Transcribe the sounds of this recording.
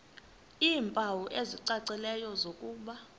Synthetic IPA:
iːmpʼawuʔeziǀaǀilɛjɔzokʼuːɓa

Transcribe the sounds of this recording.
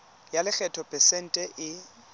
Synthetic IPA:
jalɪk͡xʰɛtʰɔpʼɛsɛn̩tʼɛʔɪ

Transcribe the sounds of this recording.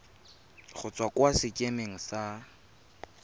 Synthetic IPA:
χʊt͡sʼwakʼwasɪkʼemeŋ̩sa

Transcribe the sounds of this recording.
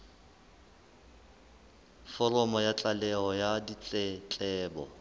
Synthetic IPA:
fɔrɔmɔjat͡ɬʼalɛɦɔjadit͡ɬʼɛt͡ɬʼɛːbɔ̰

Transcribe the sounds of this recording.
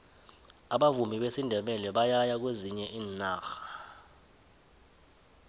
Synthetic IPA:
aɓavumʱiɓesindʱɛɓɛlɛɓajajak̬weziɲɛʔiːnnaːxḁ

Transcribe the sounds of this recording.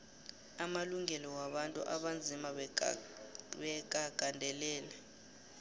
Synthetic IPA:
amaluŋɛlɔwaɓantʼṵʔa̰ɓand͡zʱima | ɓɛk̬ʼaɡ̥ʱandʱɛlɛːlɛ

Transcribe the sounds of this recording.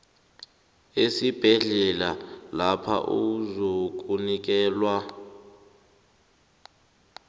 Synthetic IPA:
esib̥ʱɛɮɛlalapʰa̰ʔuzok̬unik̬ɛːlwa

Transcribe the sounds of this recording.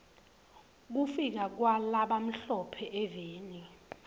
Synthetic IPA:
k̬ufik̬ak̬walaɓam̩ɬɔpʰɛʔɛveːniwɛ

